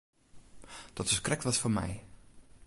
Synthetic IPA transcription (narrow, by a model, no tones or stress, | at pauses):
d̥ɔtfəskrɛk̚tʋɔsfomɛ̰j